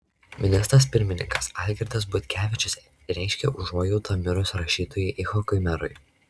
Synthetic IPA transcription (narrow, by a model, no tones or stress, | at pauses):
mʲɪnʲɪst̪ɾɐs̬pʲɪɾʲmʲɪnʲɪ̰ŋkɐsɑːlʲɡʲɛɾʲd̪ɐs̬bʊt̪ʲkʲæːʋʲɪt͡ʃʲʊsʲ | ɾʲæˑɪʃʲkʲɛʔʊʒoːjɛʊt̪ɐmʲɪɾoːsɾɐʃʲiːt̪oːjɛɪʔɪxɔkɔɪmʲɛɾʊ̰ɪ